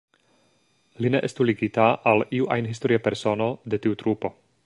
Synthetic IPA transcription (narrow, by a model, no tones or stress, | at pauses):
line̞ʔestuliɡitaʔaliuʔajnɦisto̞ɾiape̞ɾso̞no̞de̞tiutɾupo̞